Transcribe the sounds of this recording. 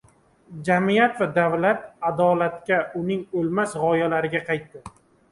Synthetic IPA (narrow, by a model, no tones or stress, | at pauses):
d͡ʒamijat̪vad̪avlat̪̚ad̪ɒlat̪kʲaʔʊnɪŋolmasʁɒjalaɾɪɡʲaqʰɑjt̪ːɪ